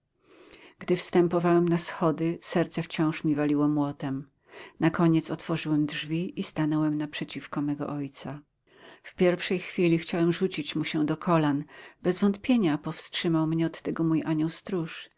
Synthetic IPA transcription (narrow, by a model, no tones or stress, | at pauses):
ɡ̥d̪ɘfst̪ɛmpɔvawɛmnasxɔd̪ɘsɛɾt̪sɛft͡ɕɔ̃w̃ʂmʲivalʲiwɔmwɔt̪ɛm | nakɔɲɛt̪sɔt̪fɔʐɘwɛmdʐvʲiist̪anɔwɛmnapʂɛt͡ɕifkɔmɛɡɔ̰ʔɔjt̪sa | fpʲjɛɾfʂɛjxfʲilʲixt͡ɕawɛmʐut͡ɕit͡ɕmuɕɛd̪ɔkʰɔlanbɛzvɔnt̪pʲjeɲapɔfstʂɘmawmɲɛɔt̪ːɛɡɔmujʔaɲɔwst̪ɾuʂ